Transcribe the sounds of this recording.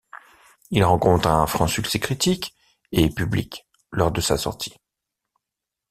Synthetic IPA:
ilʁɑ̃kɔ̃t̪χɛ̃fχɑ̃syksɛkχit̪ik | epyblḭk | lɔʁd̪əsa̰sɔ̰ʁt̪ʰi̥

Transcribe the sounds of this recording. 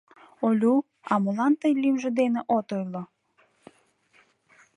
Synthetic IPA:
olʲu | ɑmulˠɑnt̪əjlʲimʒed̪eneʔot̪ojlˠɔ

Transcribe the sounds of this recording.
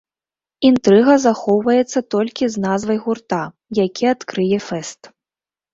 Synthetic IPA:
int̪ɾɨɣɐzaxɔwvɐjɛt̪sːɐt̪ɔlʲkʲiznazvɐjɣurt̪a | jakʲʰiat̪kɾɨjɛfɛst̪

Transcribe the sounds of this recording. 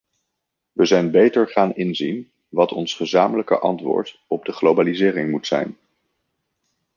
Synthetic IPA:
ʋəzɛjnbejtəɹχaːnɪnzin | ʋɑtɔnsχəzaːmələkə̰ʔɑ̰ntʋʊ̰ːɹt | ɔb̚dəχlowbaːlizɪːrɪŋmutsɛ̰jn

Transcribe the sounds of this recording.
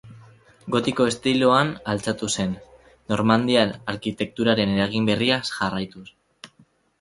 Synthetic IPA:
ɡo̞t̪iko̞e̞st̪iloanalt͡sat̪use̞nː | o̞ɾmand̪ianaɾkit̪e̞k̚t̪uɾaɾe̞ne̞ɾaɣ̞imbe̞riasʝarajt̪us

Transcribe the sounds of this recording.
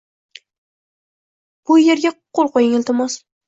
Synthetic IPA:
b̥ʊje̞ɾɡʲaqʰolˠqojɪŋɪlt̪ɪmɒs

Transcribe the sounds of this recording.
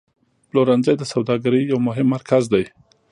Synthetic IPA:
ploɾanzajd̪əsawd̪ɑɡaɾəjawmʊɦɪmːaɾkʰazd̪aj

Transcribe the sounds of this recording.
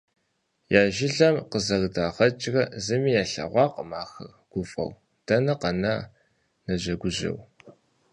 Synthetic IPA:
jaːʒɪɮɐmqəzɐɣdaːʁɐt͡ʃʼɣɐzɨmiːjaːɬɐ̰ʁʷɑːqəmaːxɐrɡ̥ʷʊfʼɐ̰w | d̥ɐnɐqɐnɐ | nɐʑɐɡʷʊʑɪ̰w

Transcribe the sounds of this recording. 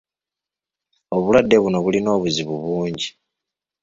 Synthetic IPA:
oβulwadːe̞βuno̞βulino̞ːβuziβuβuːɲɟi

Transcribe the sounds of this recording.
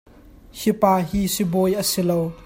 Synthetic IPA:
hipaːɦiːsibojʔəsilow

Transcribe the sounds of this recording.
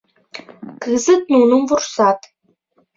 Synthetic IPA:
kɨzɨt̪̚nunumvursɑt̪

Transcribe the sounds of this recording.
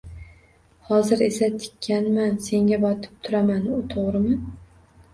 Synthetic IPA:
hɒzɪɾe̞sat̪ʰɪ̥kʲʰːanmanse̞ŋɡʲabɒt̪ʰɪ̥p̚t̪ʰʊɾamanʊt̪ʰoʁɾɪmɪ

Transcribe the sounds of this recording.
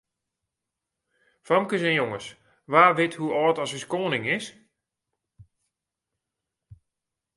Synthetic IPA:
famkəsɛnjoŋəs | ʋaːʋɪthuɔːtɔsəskoːənɪŋɪs

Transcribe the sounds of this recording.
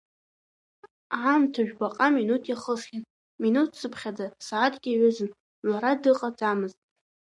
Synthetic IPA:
amtʰaʒᶣbaqʼaminutʰjaχəsχʲɪn | minutʰsɨpʰχʲad͡zasaːtʰɡʲiɥʊzɨn | ɥʷaɾadɨqʼad͡zʼamɨztʼ

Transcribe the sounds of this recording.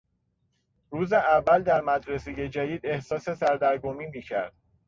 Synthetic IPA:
ruːzeʔævːæld̪æɾmæd̪ɾeseje̞d͡ʒæd̪iːd̪e̞hsɒːse̞sæɾd̪æɾɡomiːmiːcʰæ̰ɾd̪̥

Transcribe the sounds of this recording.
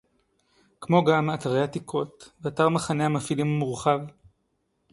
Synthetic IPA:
kmo̞ɡamataʁehatikʰo̞t̪veataʁmaχanehamafilimamuʁχav

